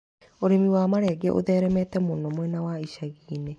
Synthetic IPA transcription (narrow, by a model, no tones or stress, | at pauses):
oɾemiwaːmaɾɛːɡɛ̰ʔo̰ðɛɾɛmɛtɛmonɔmwɛnawaiʃaɣiːne